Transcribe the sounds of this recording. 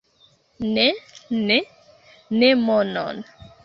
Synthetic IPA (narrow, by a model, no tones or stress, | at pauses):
nɛnɛ | nemɔnɔ̰n